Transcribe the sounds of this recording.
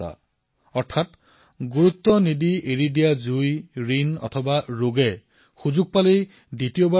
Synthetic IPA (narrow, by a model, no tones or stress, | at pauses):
a̰ | ɔɹtʰat | ɡuɹut̪ːɔnidieɹidijazujɹinɔ̰tʰɔbaɹoɡɛ | xuzuɡ̚palej | ditijoba